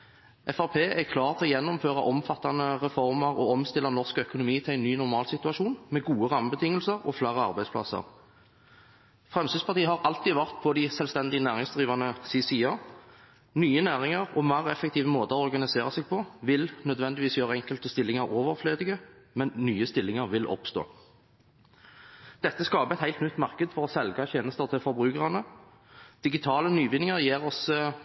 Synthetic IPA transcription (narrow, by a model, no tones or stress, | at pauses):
ʔɛfæʁpʰeːʔɛkʰlɑːʁt̪ʰɪɔjɛnːʊmføːʁɑʔɔmfɑt̪ːɑnəʁɛfɔʁmɑʁɔɔmst̪ɪlːɑnɔʁskœkʊnʊmiːt̪ʰlæɪnːyːnɔʁmɑːlsɪt̪ʉɑʃuːnmɛɡuːəʁɑməbət̪ɪŋːəlsəʁɔ̰flæʁəɑ̰ʁbæɪd̪spʰlɑ̰sə̰ʁ | fʁɛmsiːspʰɑʁt̪ʰiːəhɑʁɑlt̪iːd̪əʋæʁt̪pʰɔd̪æɪsɛlst̪ɛnd̪ɪənæːʁɪŋsd̪ʁiːʋɑnəsiːsiːɑ | nyːənæːʁɪŋɑʁɔmæːʁɛfːək̚t̪ʰiːʋəmoːt̪əɔɔʁɡɑnɪseːʁɑsɛːɡ̚pʰɔʋɪlnœd̪ʋɛnd̪ɪʋiːsjøːʁəɛŋkəlt̪əst̪ɪlːɪŋɑʁoːʋəʁfløːd̪ɪɡəmɛnːyːəst̪ɪlːɪŋɑʁʋɪlʔɔ̰pst̪o̰ː | d̪̥ɛt̪ːəskɑːpəɛt̪hæɪt̪nʏt̪mɑʁkəd̪fɔʁɔsɛlɡɑt̪ʰjeːnəst̪əʁt̪ʰɪlfɔɾbɾʉːkəʁɑnə | d̪̥ɪɡɪt̪ʰɑːlənyːʋɪnːɪŋəʁjeːʁɔs